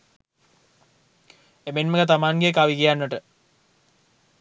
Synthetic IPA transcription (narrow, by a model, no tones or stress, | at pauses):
emenməɡɐt̪̬amaːŋɡeekːaʋikijanːəʈə